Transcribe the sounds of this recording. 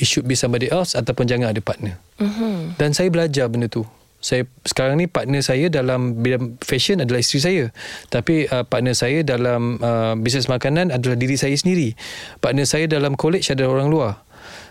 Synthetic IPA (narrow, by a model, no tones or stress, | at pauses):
iʃuʔ̚bisambadiʔasat̪awpʊnd͡ʒaŋanadəpaʔ̚nə | dansajabəlad͡ʒabəndət̪u | sajasə̥kaɾaŋnipaʔ̚nə̃sajadalambidamfɛʃənadalahist̪ɾis̬ajət̪apiəpaʔnə̃sajadalaməbisnɛsmakanãnadalahdiɾisajasəndiɾipaʔnə̃sajadalamkolɛt͡ʃsadaɾoɾaŋluar